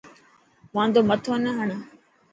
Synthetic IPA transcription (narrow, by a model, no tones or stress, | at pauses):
mãːnd̪oːmət̪ʰoːnəɦəɳ̃